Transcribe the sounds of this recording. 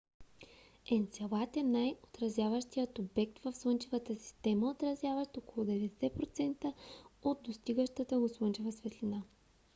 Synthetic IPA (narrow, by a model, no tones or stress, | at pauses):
ɛnt̪sɛlˠat̪ɛnːajot̪ɾɐzjavəʃt̪ijət̪obɛk̚t̪vɐfslˠɤnt͡ʃɛvət̪əsi̥st̪ɛməot̪ɾɐzʲjavəʃt̪okolˠod̪ɛvɛd̪ɛsɛpɾot̪sɛnt̪əod̪̚d̪ost̪iɡəʃt̪ət̪əɡoslˠɤnt͡ʃɛvəsvɛt̪lina